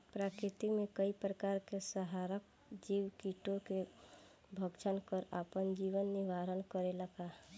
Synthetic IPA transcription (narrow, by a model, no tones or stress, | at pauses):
pɾaːkɾɪt̪imẽkəipɾəkaɾkesəɦaɾək̚ | d͡ʒiwkiʈoke | bʱəɡt͡ʃʰənkəɾapənd͡ʒiʋənːiʋaɾənkəɾeləka